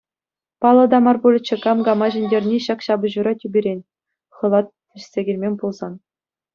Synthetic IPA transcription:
pɑlˠɤ̆d̪ɑmɑrbulʲɘ̆t͡ɕːɘ̆kɑmɡɑmɑʑɘ̆nʲdʲerʲnʲiɕɑkɕɑbɤ̆ʑuɾɑtʲybʲiɾʲenʲ | χɤ̆lˠɑt̪̚ʲː | ɘ̆ɕʲsʲeɡʲĕlʲmʲemʲpulˠzɑn

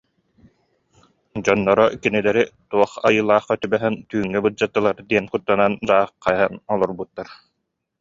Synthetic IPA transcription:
d͡ʑɔnːɔɾɔkinilɛɾit̪uɔχajɯːlˠaːχœt̪ybɛɦɛnt̪yːŋːɛbɯd͡ʑat̪ːɯlˠaɾd̪iɛnkut̪ːanand͡ʑaːχajanɔlˠɔɾbut̪ːaɾ

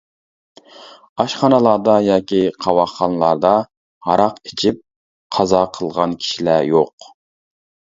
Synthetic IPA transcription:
ɑʃχɑnəlˠɑɾd̪ɑjɑːkʲiqʰɑwɑχɑnlˠɑɾd̪ɑ | hɑɾɑqit͡ʃʰip̚ | qʰɑzɑqʰəlˠʁɑnkʲʰi̥ʃilæjoq

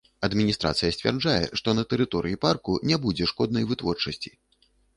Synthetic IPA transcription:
ɐd̪mʲinʲist̪ɾa̰t̪sɨjɐsʲt͡sʲvʲa̰rd͡ʐajɛ̰ʂt̪ɔnɐt̪ɛɾɨt̪ɔɾɨjiparkunʲɛbud͡zʲɛʂkɔd̪̚nɐjvɨt̪vɔrt͡ʂɐsʲt͡sʲi̥

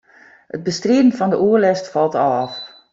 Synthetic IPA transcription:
hət̚bəstreədən̩fɔndəʔuərlɛstfɑlˠtɔf

